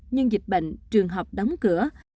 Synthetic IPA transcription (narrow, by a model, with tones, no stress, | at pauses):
ɲɨ˧ŋzi˨˩k̟̚ɓə̰˧˨ŋ̟t͡ɕɨ˨˩əŋɦə˨˩wk͡p̚ɗɔ˨˦wŋ͡mkɨ˧˩ə